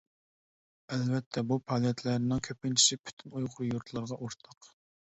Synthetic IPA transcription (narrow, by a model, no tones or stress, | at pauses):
ɛlvɛt̪ʰːɛbupʰɑlˠjɛt̪ʰlæɾɪnɪŋkʲʰøpɪnt͡ʃʰi̥ʃɪpʰy̥t̪ʰynujʁʊɾujuɾt̪ʰlˠɑɾʁɑʔuɾt̪ʰɑq